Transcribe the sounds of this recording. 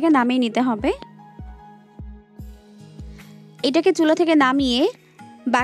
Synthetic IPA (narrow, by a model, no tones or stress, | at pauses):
kenamejnit̪eɦɔbe | ejʈaket͡ɕulot̪ʰekenamije | ba